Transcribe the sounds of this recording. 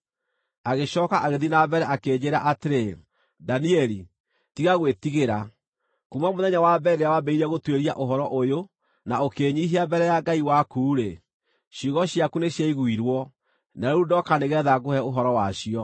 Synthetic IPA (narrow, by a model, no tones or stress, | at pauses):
aɣeɕɔːkaʔaɣeðinabɛɾɛakeːɲd͡ʑeɾaʔateɾe | daniɛɾi | tiɣaɣwetiɣeɾa | kumwamoðɛɲawabɛɾeawabɛiɾɛɣotweɾia̰ʔoɦɔɾɔʔojo | naokeːɲiɦiabɛɾɛjaɡaiwakuːɾe | ɕuɣɔɕjakuneɕaiɣwiɾwɔ | naɾeudɔkaneɣɛðaɣohɛoɦɔɾɔwaɕiɔ